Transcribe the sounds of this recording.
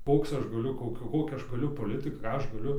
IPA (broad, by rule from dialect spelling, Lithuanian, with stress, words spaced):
ˈkoːks ˈɐʃ ɡɐˈlʲʊ ˈkoːkʲɛ ˈkoːkʲæː ˈɐʃ ɡɐˈlʲʊ poːˈlʲɪtɨk ˈkɑː ˈɐʃ ɡɐˈlʲʊ